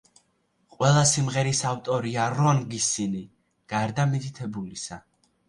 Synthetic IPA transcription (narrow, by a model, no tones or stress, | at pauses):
qʼwɛlˠasimʁɛɾisaft̪ʼɔɾiaɾɔnɡisini | ɡ̥aɾd̪amit̪ʰʼit̪ʰɛbulisa